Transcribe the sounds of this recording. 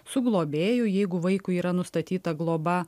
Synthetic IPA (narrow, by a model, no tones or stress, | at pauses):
sʊɡlˠoːbʲeːjʊjɛɪɡʊʋɐɪkʊiːɾɐnʊst̪ɐt̪ʲiːt̪ɐɡlˠoːbɐ